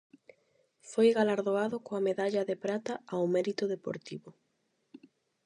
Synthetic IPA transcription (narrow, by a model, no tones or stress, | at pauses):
fojɣalaɾðoaðʊkoameðaʎɐðepɾat̪aawmɛɾit̪ʊðepo̰ɾt̪iβʊ